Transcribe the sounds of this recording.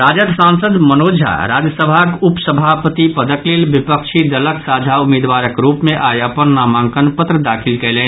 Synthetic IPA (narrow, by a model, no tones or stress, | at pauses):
ɾad͡ʒəd̪sãnsəd̪mənod͡ʒʱa̰ɾad͡ʒjəsəbʱakupsəbʱapət̪ipəd̪əklelbipəkt͡ʃʰid̪ələksad͡ʒʱaumed̪ʋaɾəkɾupmeʔajapənːamaŋkənpət̪ɾəd̪akʰilkɛlen